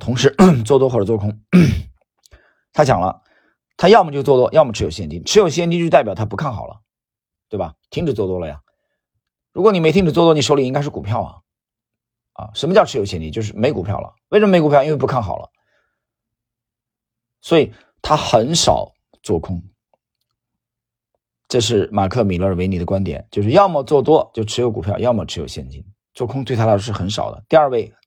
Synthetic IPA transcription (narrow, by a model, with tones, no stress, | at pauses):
t̪ʰʊ˧˥ŋʂɻ̩˧˥t͡swɔ˥˧t̪wɔ˥xɔ˥˩ʈ͡ʂt͡swɔ˥˩kʰʊ˥ŋ˥ | t̪ʰa˥t͡ɕjɑ̰˨˩ŋlə̰˦ | t̪ʰa˥jɑ˥˩ʊmə˩t͡ɕjo˥˧ʊt͡swɔ˥˩t̪wɔ˥jɑ˥˩ʊmə˩ʈ͡ʂʰɻ̩˧˥jo˨˩ʊɕjɛ˥˩nt̪t͡ɕ̪i˥ʈ͡ʂ̩ʰ˧˥jo˨˩ʊɕjɛ˥nt̪i˥t̪a˥˩ɪpjɑ˨˩ʊt̪ʰa˥pu˧˥kʰa˥˩nxɑ˨˩ʊlə̰˦ | t̪we˥˩bɐ˩t̪ʰi˥ŋʈ͡ʂ̩˨˩t͡swɔ˥˩t̪wɔ˥lə˨ja̰˩ | ɻu˧˥kwɔ˧˥ni˨˩m˧˥ɪt̪ʰi˥ŋʈ͡ʂ̩˩t͡swɔ˥˧t̪wɔ˥ni˨˩ʂo˥li˨˩i˥ŋka˥ɪʂɻ̩˥˩ku˨˩pʰjɑ˥˩ʊlə̰˩ | ɐ̰˧ʂə˧˥nmə˧t͡ɕɑ˥˧ʈ͡ʂʰɻ̩˥jo˨˩ɕjɛ˥˧nt̪i˥˩t͡ɕo˥˧ʊʂ̬ɻ̩˥˩me˧˥ɪku˨˩pʰjɑ˥˩ʊlə̰˩we˥˩ʂə˧m˥m˧˥ku˨˩pʰjɑ˧ʊ˧i˥nwe˥˧˩pu˧˥kʰa˥˩nxɑ̰˨˩lʔə̰˦ | swɔ˧˥i˨˩ | t̪ʰa˥xə˧˥nʂɑ̰˨˩ʊ | t͡swɔ˥˩kʰʊ˥ŋ | ʈ͡ʂɤ˥˧ʂ̬ɻ̩˥˩ma˨˩kʰɤ˥˩mi˨˩lɤ˧˥ə˩we˧ɪni˨˩d̪ə˦kwa˥nt̪jɛ̰˨˩˦nt͡ɕjo˥˧ʂɻ̩˥˧jɑ˥˧ʊmə˥˩t͡swɔ˥˩t̪̬wɔ˥t͡ɕjo˥˩ʊʈ͡ʂʰɻ̩˧˥jo˧˥k̬u˨˩pʰjɑ˥˧ʊjɑ˥˧mə˨˩ʈ͡ʂʰɻjo˨˩ʊɕjɛ˥˩nt͡ɕḭ˥n | t͡swɔ˥˩kʰʊ˥ŋt̪we˥˩ɪa˥˧˥o˥ʂɻ̩˥˩xə˧˥nʂɑ̰˨˩ʊd̪ə̰˦t̪i˥˧ɐ˞˥˧we˥˧ɪ